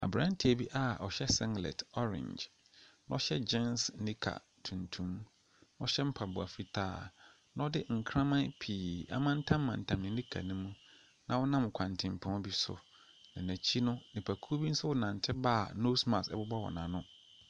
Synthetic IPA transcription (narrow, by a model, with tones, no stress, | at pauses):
a̰˨bɾã˦n˦tʰi˨æ˨bi˦ʔa˦ɔ˨ɕɛ˦sɪ̃˦ŋɡlɛ̰˨tʰɔ˦ɾɪ̰̃˨ɲd͡ʒ | ñ˦ɔ˦ɕɛ˦d͡ʑɛ˦nsnĩ˦kʰa̰˨ | tʰũ˨ntʰũ˦m | n˦ɔ˦ɕɛ˦m̩˦pʰa˨bʊ˨a̰˨fi˦tʰa̰ː˦˨ | nã˦ɔ˦dɪ˦ŋ̩˨kʰɾã˦mã˦pʰiː˨a̰˦mã˦n̩˦tʰã˦mː˦ã˨n̩˨tʰã˨mnɪ̃˨˦nĩ˦kʰa̰˨nũ˦mũ˦ | nʔã˨˦wɔ˦nã˦m˨kʰã˨n˨tʰɪ̃˨m˨pʰʊ̃˦bi˦sʊ̰˨ | nã˨næ̃˨t͡ɕʰi˦nʊ̃˦nɪ̃˨pʰæ˨kʰu˦bi˦n̩˦sʊ˦wʊ˦nã˨n̩˨tʰɪ˦baː˦˨no˦smã˨sɛ̰˦bʊ˦bɔ˦wɔ̰˨nã˨nʊ̃˦